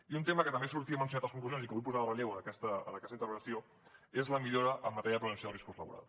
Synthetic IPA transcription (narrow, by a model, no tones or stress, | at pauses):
iunt̪eməkət̪əmbesuɾt̪iəmənsjunat̪əskuŋkluzjonsikəβujpuzaðərəlʎewənəkɛst̪əə̰nəkɛst̪int̪ərpβənsio | ezləmiʎoɾəʔəmːət̪ɛɾjəəpɾunənsioðriskuzləβṵɾa̰lˠ